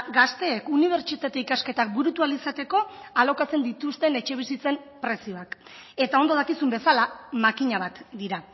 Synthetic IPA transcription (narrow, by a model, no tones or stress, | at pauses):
ɡast̪e̞ːkuniβ̞e̞ɾt͡ʃit̪at̪e̞ikaske̞t̪ak̚buɾut̪ualisat̪e̞ko̞alo̞kat͡se̞nd̪it̪ust̪e̞ne̞t͡ʃe̞β̞isit͡se̞m | pɾe̞sio̞ak | e̞t̪ao̞nd̪o̞ð̞akisumbe̞salamakiɲaβ̞at̪d̪iɾa